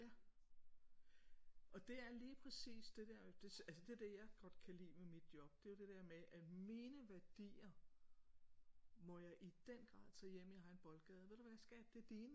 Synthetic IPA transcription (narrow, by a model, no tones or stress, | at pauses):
jæ | ʔɒ̽d̥e̝æɐliːpʰʁɛsḭːsd̥e̝d̥eɐd̥e̝sælsəd̥e̝d̥ejɑ̈ɪɡ̥ɒ̽d̥kʰælḭːmemid̥̚jɒ̽b̥d̥e̝jo̝d̥e̝d̥eɐ̰meʔæ̥miːnəʋæɐd̥ḭːɐ | mɒ̽jɑ̈ɪʔid̥en̰ɡ̥ʁɑ̰̈ːðˠt͡sʰɛːjem̰iɑɦɑ̈e̝nb̥ɒ̽lɡ̥ɛːð̞ˠʋe̝d̥eʋæsɡ̥ɛ̰ːb̥̚d̥e̝d̥iːnə